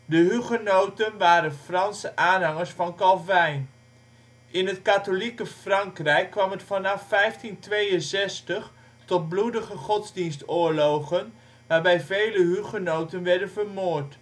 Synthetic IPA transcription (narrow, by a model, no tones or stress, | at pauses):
dəɦyχənowtənʋaːɾənfrɑnsəʔaːnɦɑŋəɹsfɑnkɑlˠvɛjn | ʔɪnətkatolikəfrɑŋkrɛjkːʋɑmətfɑnɑfːɛjftintʋejənzɛstəχ | tɔt̚bludəχəχɔtzdinstʊːɹloχən | ʋaːɹbɛjvejləɦyχənowtənʋɛɹdənvəɹmoːɹt